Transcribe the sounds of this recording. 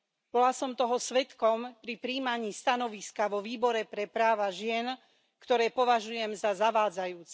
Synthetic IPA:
b̥ɔlasɔmt̪ɔɦɔsʋɛt̪kɔmpɾipɾiːmaɲiːst̪anɔʋiskaʋɔʋiːbɔɾɛpɾɛpɾaːʋaʒɪɛn | kt̪ɔɾɛːpɔʋaʒujɛmzazaʋaːd͡zajuːt͡sɛ̥

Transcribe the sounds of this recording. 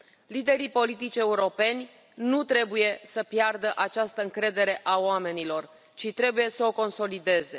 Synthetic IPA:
lid̪e̞ɾipo̞lit̪it͡ʃʲe̞uɾo̞pe̞nʲ | nut̪ɾe̞buje̞səpjard̪əʔat͡ʃast̪əɨŋkɾe̞d̪e̞ɾe̞ʔaoame̞nilo̞r | t͡ʃit̪ɾe̞buje̞səo̞ko̞nso̞lid̪e̞ze̞

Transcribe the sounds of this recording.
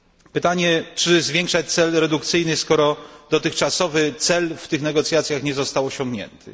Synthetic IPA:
pɘt̪aɲɛt͡ʂɘzvʲjeŋkʂat͡ɕ̚t̪sɛlɾɛd̪ukt̪sɘjnɘskɔɾɔd̪ɔt̪ɘxt͡ʂasɔvɘt̪sɛlft̪ɘxnɛɡɔt̪sʲjat̪sʲjaxɲɛzɔst̪awɔɕɔ̃ŋɡɲɛ̰nt̪ʰɘ̰

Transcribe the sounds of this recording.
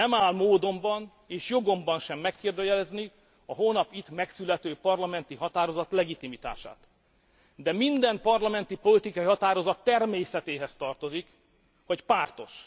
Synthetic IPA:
ɛmaːlmoːd̪o̞mbɒn | eːʃjo̞ɡo̞mbɒnʃɛmːɛkːeːrd̪øjɛlɛzni | ɒɦoːnɒpit̪mɛksylɛt̪øːpɒrlɒmɛnt̪iɦɒt̪aːɾo̞zɒt̪lɛɡit̪imit̪a̰ːʃa̰ːt̪ | d̪ɛmind̪ɛmpɒrlɒmɛnt̪ipo̞lit̪ikɒiɦɒt̪aːɾo̞zɒt̪ːɛrmeːsɛt̪eːɦɛst̪ɒrt̪o̞zik | ho̞cpaːrt̪o̞ʃ

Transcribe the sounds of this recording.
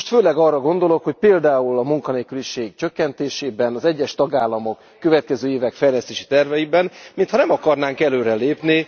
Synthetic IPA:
ʃt̪føːlɛɡɒːrːɒɡo̞nd̪o̞lo̞kho̞cpeːld̪aːulɒmuŋkɒneːlkyliʃeːɡt͡ʃø̞kːɛnt̪eːʃeːbɛnɒzɛɟːɛʃt̪ɒɡaːlːɒmo̞kːø̞vɛt̪̚kɛzøːeːvɛkfɛjlɛst̪eːʃi̥t̪ɛrvɛjibɛnmint̪ʰhɒnɛmɒkɒrnaːŋkɛløːɾɛleːpni

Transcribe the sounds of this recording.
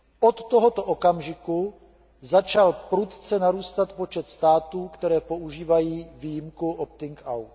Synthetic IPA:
ʔot̪ːoɦo̞t̪oʔokamʒɪku | zat͡ʃalpɾut̪t͡sɛnaɾuːst̪at̪po̞t͡ʃɛt̪st̪aːt̪uːkt̪ɛɾɛːpo̞ʔuʒiːvajiːviːjɪmkuʔop̚t̪ɪŋkʔawt̪

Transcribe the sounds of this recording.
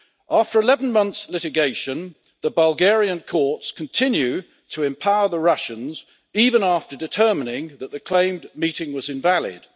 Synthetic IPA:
ʔæˑftə˞ɨlɛvn̩mʌ̃nθslɪɾɨɡeɪʃɨ̃n | ðəbʌlˠɡɛɹiɨ̃nkʰɔɹtskʰə̃n̩tʰɪ̃njʉ | tʰəɨ̃mpʰaʊəðəɹʌʃɨ̃nz | ivə̃næftədɨtʰɜ˞mənɪ̃ŋðəʔ̪̚ðɨkʰl̥ẽɪ̃mmiɾɪ̃ŋwʌzɨ̃ɱvælˠɪ̰d̥

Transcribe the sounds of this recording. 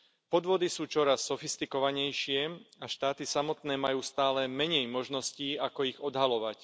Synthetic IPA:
pɔd̪ʋʊɔd̪isuːt͡ʃɔɾasːɔfist̪ikɔʋaɲɛjʃɪɛaʃt̪aːt̪isamɔt̪nɛːmajuːst̪aːlɛmɛɲɛjmɔʒnɔsciːakɔiɣɔd̪ɦalɔʋac

